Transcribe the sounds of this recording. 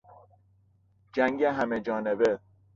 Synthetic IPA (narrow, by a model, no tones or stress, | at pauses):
d͡ʒæŋɡeɦæmed͡ʒɒːnebe